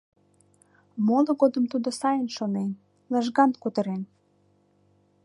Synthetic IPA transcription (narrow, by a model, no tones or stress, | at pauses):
moloɣod̪əmt̪ud̪osɑjənʃonen | ləʒɣɑnkut̪ə̆ɾen